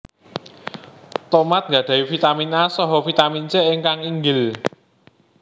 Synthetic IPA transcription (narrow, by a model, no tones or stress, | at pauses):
t̪omat̪̚ŋɡäɖ̥ä̤ifit̪aminasɔɦɔfit̪amint͡ʃɛɪŋkaŋiŋɡɪl